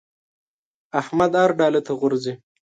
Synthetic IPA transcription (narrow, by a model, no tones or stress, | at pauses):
ahmad̪aɾɖɑːlet̪ʰaɣʊɾzi